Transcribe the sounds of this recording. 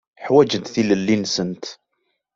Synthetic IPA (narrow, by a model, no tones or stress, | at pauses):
ħwæd͡ʒəd̪θiləlːinsənt̪